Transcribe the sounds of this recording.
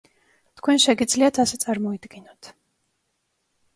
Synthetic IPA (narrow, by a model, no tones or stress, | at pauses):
t̪ʰkʰwɛnʃɛɡid̪zliat̪ʰasɛt̪sʼaɾmɔid̪ɡinɔt̪ʰ